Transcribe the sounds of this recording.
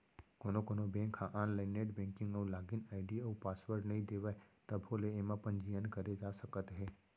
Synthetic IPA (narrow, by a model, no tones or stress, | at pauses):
konokonobɛ̃ŋkʰhãʔanlanːeʈbɛ̃ŋkɪ̃ŋɡəũlaɡinaiɖiəũpasʋəɾɖnəɦĩd̪eʋajt̪əbʰʱoleːmãpənd͡ʒijənkəɾed͡ʒaʃəkət̪ɦe